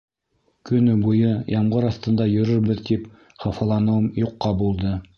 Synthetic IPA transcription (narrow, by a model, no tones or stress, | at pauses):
kɵ̆nɘbujɤjɑmʁɤɾɑθt̪ɤ̆nd̪ɑjɵ̆ɾɵɾbɘðt̪ip | χɑfɑlˠɑnɤ̆mjuqːɑbulˠd̪ɤ